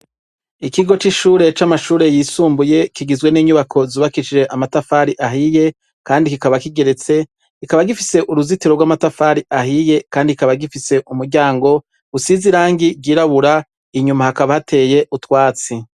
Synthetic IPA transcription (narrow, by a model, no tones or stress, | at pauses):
ikiɡo̞t͡ʃiʃuːɾe̞t͡ʃamaʃuːɾe̞jiːsuːmbuje̞kiɡizwe̞niːɲuβakʰo̞zuːβakiʃiʒe̞ʔamatafaɾiʔaɦije̞ | kaːndikikaβakiɡe̞ɾe̞t͡se̞ | ikaβaɡifise̞ʔuɾuzitiɾoɡwamatafaːɾiʔaɦije̞kaːndikaβaɡifise̞ʔumuɾɟaːŋɡo̞ | ɡusiziɾaːŋɡiɡiːɾaβuɾa | iɲumahakaβahatʰe̞ːje̞ʔutwaːt͡si